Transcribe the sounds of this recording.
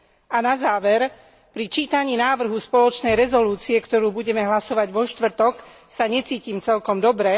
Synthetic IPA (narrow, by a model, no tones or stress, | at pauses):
anazaːʋɛɾ | pɾit͡ʃiːt̪aɲiːnaːʋr̩ɦuspɔlɔt͡ʃnɛjɾɛzɔluːt͡siɛkt̪ɔɾuːbuɟɛmɛɦlasɔʋaɟʋɔʃt̪ʋr̩t̪ɔk | saɲɛt͡siːciːmt͡sɛlkɔmd̪ɔbɾɛ